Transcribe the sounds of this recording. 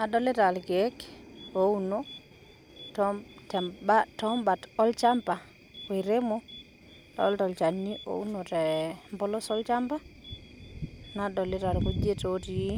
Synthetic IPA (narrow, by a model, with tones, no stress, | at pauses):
a˨ɗɔle˦ta˨lɡekouno | tɔtɛ˨mbatɔ˦mba˨tɔ˦lt͡ʃa˦mpa˨ | we˨ɾe˦mo | tɔɔ˦ltɔ˨lt͡ʃa˨nːiʔo̰˨u˦no˨tɛmbɔ˦lɔ˦sɔ˦lt͡ʃa˦mpa˦ | naɗɔ˨le˦ta˨lko˦d͡ʒe˦toti˨˦